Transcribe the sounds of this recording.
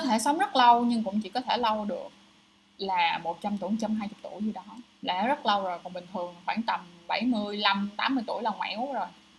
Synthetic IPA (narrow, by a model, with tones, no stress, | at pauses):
kɔ˦t̪ʰe˧˩sə˨˦wŋ͡mzə˦˥t̚lə˧wɲɨ˧ŋkʊ̰˧˥ŋ͡mt͡ɕḭ˧˩kɔ˨˦t̪ʰe˧˩lə˧wɗɨ˨˩ək̚ | laː˨˩mo˨˩t̚t͡ɕa˧mt̪u˧˩ŋt͡ɕə˧mɦaː˧jt͡ɕʊ˨˩k͡p̚t̪ṵ˧˩jɲɨ˧ɗɔ˨˦ | la̰ː˧˨˩zə˦˥t̚lə˧wzo˨˩jkɔ˨˩ŋɓï˨˩ŋ̟t̪ʰɨ˨˩əŋxwaː˧˩nt̪ə˨˩mɓa˧˩jmɨ˧əjla˧mt̪aː˨˦mːɨ˧əjt̪u˧˩əjlaː˨˩ŋwa̰˧˥˦zo˨˩j